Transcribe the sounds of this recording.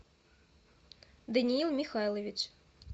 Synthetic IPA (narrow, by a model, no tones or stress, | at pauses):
d̪ɐnʲiilˠmʲixɑjlˠɔʋʲit͡ʃ